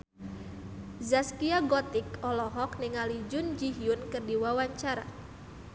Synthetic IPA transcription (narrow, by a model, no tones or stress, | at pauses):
zaskiaɡɔt̪ɪkɔlɔɦɔk̚niŋalid͡ʒʊnd͡ʒiɦiʊnkɨrdiwawaɲt͡ʃaɾa̰